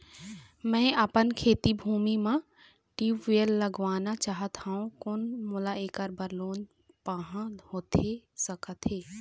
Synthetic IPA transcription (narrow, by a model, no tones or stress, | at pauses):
mɛ̃ːəpənkʰeːt̪ibʱuːmimã | ʈiːʋielːəɡʋaːnat͡ʃaːɦət̪hãːũkonmulaeːkəɾbəɾloːn | paːɦãhoːt̪ʰesəkət̪ɦeː